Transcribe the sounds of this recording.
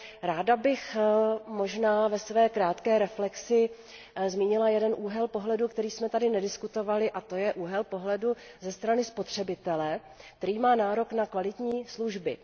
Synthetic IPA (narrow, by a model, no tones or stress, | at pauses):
ɾaːdabɪxmo̞ʒnaːvɛsvɛːkɾaːt̪kɛːɾɛflɛksɪ | zmiːɲɪlajɛdɛnʔuːɦɛlpo̞ɦlɛdukt̪ɛɾiːsmɛt̪adɪnɛdɪskut̪o̞valɪʔat̪o̞jɛʔuːɦɛlpo̞ɦlɛduzɛst̪ɾanɪspo̞t̪r̝̥ɛbɪt̪ɛlɛ | k̚t̪ɛɾiːmaːnaːɾo̞knakvalɪt̪ɲiːsluʒbɪ